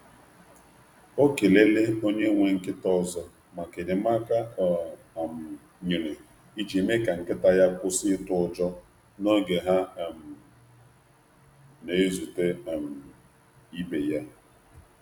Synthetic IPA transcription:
o˦ke˨le˦lɪ˦o˦ɲe˦ŋʷe˨ŋ̩˦kɪ˦tɔ˦zɔ˨ | ma˨ke˨dɪ˨ma˦ka˦˨ | m̩˨ | ɲi˨ne˨ | i˦d͡ʒi˨me˦ka˨ŋ̩˨kɪ˦ta˦ja˦kʊ˦sɪ˦tʊ˨d͡ʒɔ˦ | no˦ɡe˨ɦa˦˨m̩˨ | ne˨˦zu˨te˦˨m̩˨ | i˦be˨ja˦

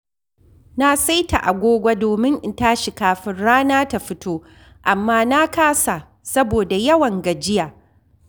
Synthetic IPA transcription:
na˦sa˦jta˨ʔa˨ɡʷoː˦ɡʷa˦doː˨mɪ˦ŋʔɪ˨ntaː˦ʃi˨kaː˨ɸɪ˦nɽaː˦naː˦ta˨ɸɪ˦tʰoː˦ | ʔa˨mːaː˦na˦kaː˦sa˨ | sɐ˦boː˨da˨jɐ˦wɐ˨ŋɡɐ˨d͡ʒɪ˦jaː˨

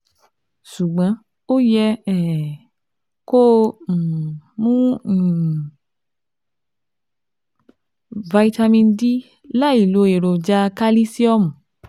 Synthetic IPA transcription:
ʃu˨ɡ͡bã˨˦ | o˦jɛ˦ɛ˨ | ko˦˨ | mũ˦˨ | va˧i˧ta˧mĩ˧ndi˦ | la˦i˨lo˨˦e˨ɾo˨d͡ʒa˧˦ka˦li˦si˦ɔ˦mũ˨

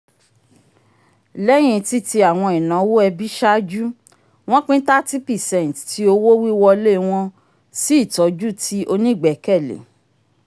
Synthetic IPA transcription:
lɛ˦j̃ĩ˧ti˦ti˧a˨w̃ɔ̃˧i˨nã˨˦wo˦ɛ˧bi˦ʃa˦d͡ʒu˦ | w̃ɔ̃˦k͡pĩ˦ta˦ti˦pɛ˨sɛ̃˨tti˧˦o˧wo˦wi˦wɔ˧le˦˨˧w̃ɔ̃˧ | si˦˨tɔ˨˦d͡ʒu˦tʰi˦ʔo˧nĩ˦˨ɡ͡bɛ˨˦kɛ˦˨lḛ˨

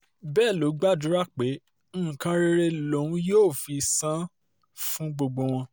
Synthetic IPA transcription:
bɛː˦˨lo˨˦ɡ͡ba˦˨du˨˦ɾa˦˨k͡pe˨˦ | ñ̩˦˨kã˧˦ɾe˧ɾe˧lo˨˦ũ˦joː˦˨fi˧sã˦ | fũ˦ɡ͡bo˧ɡ͡bo˧w̃ɔ̃˧

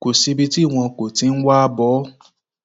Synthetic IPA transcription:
ko˨si˧bi˧ti˦˨w̃ɔ̃˧ko˨ti˧˦n̩˦wa˦bɔ˨˦

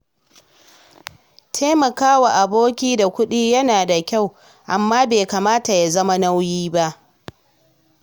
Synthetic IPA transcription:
tʰeː˦mɐ˨kaː˦wa˨ʔa˨boː˦kʲiː˦da˨kʷʊ˦ɗiː˦jɐ˦naː˨da˨kʲa˦˨w | ʔa˨mːaː˦beː˨kaː˨maː˦ta˨ja˨zɐ˦ma˦na˦wjiː˦ba˦ʔ

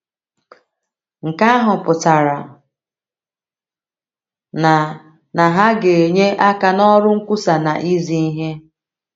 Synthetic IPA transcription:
ŋ̩˨ka˦a˦ɦʊ˨pʊ˨ta˨ɾa˨ | na˨ | na˨ɦa˦ɡe˨e˨ɲe˦ʔa˦ka˨nɔ˦ɾʊ˦ŋ̩˦kʷu˦sa˨na˨ʔi˦zi˦i˦ɦe˦

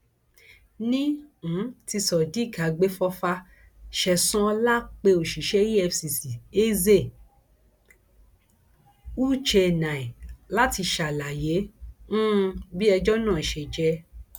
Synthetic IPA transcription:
nĩ˦˨˦ | ti˧sɔ˨di˨˦˨ka˨ɡ͡be˦fɔ˧fa˧ | ʃɛ˧˨sɔ̃˦˧la˦k͡pe˧o˨ʃi˨ʃɛ˨˦ji˦ɛ˧fsi˨si˨e˦ze˦˨ | u˦t͡ʃɛ˧˨nã˨i˨la˦ti˧ʃa˨la˨je˨˦ñ̩˦˧˦bi˦ɛ˧d͡ʒɔ˦nãː˦˨ʃɛ˨d͡ʒɛ˧˦

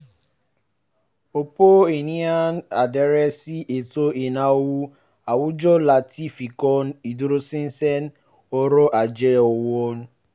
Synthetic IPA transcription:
o˨po˦e˨ni˦a˦na̰˨de˨ɾɛ˦si˦ʔe˨to˦e˨na˦o˦wu˦ | a˨wʊ˦d͡ʒɔ˦la˨ti˦fi˨kɔ˦n̩˦i˨do˦ɾo˦si˦n̩˦sɛ˦n˦ | o˦ɾo˦ʔa˨d͡ʒe˦o˨wo˦n̩˦

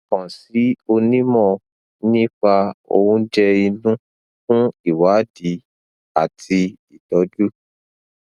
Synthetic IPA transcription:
kɔ̃˨si˨˦o˧nĩ˦mɔ̃˦˨ | nĩ˦fa˧o̰˧wũ˦d͡ʒɛ˧i˧nũ˦ | kũ˦i˨wa˨˦di˨˦ | a˦˨tʰi˧ | i˨tɔ˨˦d͡ʒu˦

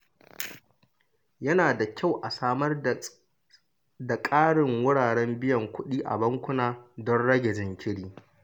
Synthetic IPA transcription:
jɐ˦naː˨da˨kʲa˦˨wʔa˨saː˦mɐ˦r | da˨kʼaː˦ɽɪ˨ŋwʊ˦ɽaː˨ɽɛ˦mbɪ˦jɐ˨ŋkʷʊ˦ɗiː˦ʔa̰˨bɐ˦ŋkʷʊ˦naː˦dɔ˦nɽɐ˦ɡʲɛ˨d͡ʒɪ˨ŋkʲɪ˦ɽiː˦

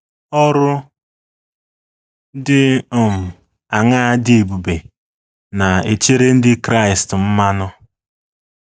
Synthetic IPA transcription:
ɔ˦ɾʊ˦ | dɪ˦˨m̩˨ | a˨ŋa˦a˦dɪ˦e˨bu˨be˨ | na˨e˨t͡ʃe˦ɾe˦n̩˦dɪ˦kɾa˦˨ɪ˨stm̩˦ma˦nʊ˦

